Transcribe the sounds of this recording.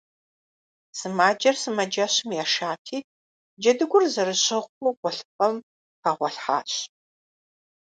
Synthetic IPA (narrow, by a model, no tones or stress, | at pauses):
sɨmaːd͡ʒɐrsɨmɐd͡ʒɐɕmjaːʃaːtʰiː | d͡ʒɐdɨɡʷʊrzɐɾɨɕʼɪʁʷuɡʷɔɬɨfɐm | paːʁʷɔɬħa̰ːɕ